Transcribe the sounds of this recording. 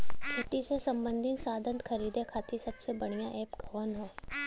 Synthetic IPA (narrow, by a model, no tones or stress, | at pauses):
kʰʊʈisesɐ̃mbə̃nd̪ʱɪŋsaːd̪ʱə̃nt̪xʰɐɾiːd̪ʱekʰaːt̪isɐbsebɐɽ̃ijaʔɛːpkɔːnɦoː